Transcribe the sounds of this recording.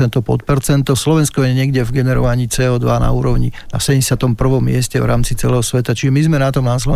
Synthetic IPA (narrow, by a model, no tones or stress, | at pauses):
ɛnt̪ɔpɔ̰t̪̚pɛɾt͡sɛnt̪ɔslɔʋɛnskɔjɛɲɪɛɡɟɛvɡɛnɛɾɔ̰ʋaɲiːt͡sɛːɔːd̪ʋana̰uːɾɔʊɲia̰sɛɲɛsat̪ɔmpr̩ʋɔmːɪɛscɛvɾaːmt͡sit͡sɛ̰lɛːɦɔsʋɛt̪at͡ʃiʒɛmizmɛnat̪ɔmnaslɔ